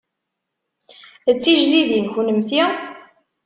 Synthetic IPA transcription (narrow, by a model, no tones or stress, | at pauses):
ət͡sːiʒðiðinçunəmθi